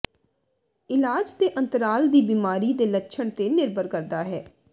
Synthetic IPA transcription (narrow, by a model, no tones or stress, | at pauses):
ɪlaːd͡ʒt̪eːʔənt̪əɾaːld̪iːbiːmaːɾiːd̪eːlətːʃʰəɳt̪eːnɪɾbəɾkəɾd̪aːɦɛː